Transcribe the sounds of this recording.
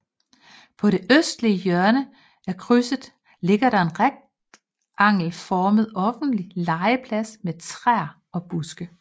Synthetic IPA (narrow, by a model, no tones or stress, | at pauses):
pʰɒ̽ɾe̝ʔøsd̥liəjœɐnə | ækʰʁysəð̩ˠ | le̝ɡ̥ɐɾɑ̈e̝nʁaɡ̥̚ | ʔɑ̈ŋ̰l̩fɒːməð̞ˠɒ̽fn̩d̥lilɑ̈ɪəpʰlæsmet͡sʰʁaɐ̰ | ɒ̽b̥usɡ̥ə